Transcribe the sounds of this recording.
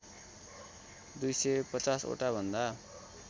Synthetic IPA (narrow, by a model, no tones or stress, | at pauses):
d̪ujsʌjpʌt͡saso̰ʈabʱʌnd̪a